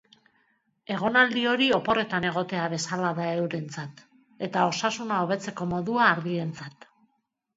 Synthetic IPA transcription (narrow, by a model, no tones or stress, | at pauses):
e̞ɣ̞o̞nald̪io̞ɾio̞po̞re̞t̪ane̞ɣ̞o̞t̪e̞aβe̞salaðae̞wɾe̞nt͡sat̪ | e̞t̪ao̞sasunao̞β̞e̞t͡se̞ko̞mo̞ðuaːɾðie̞nt͡sat̪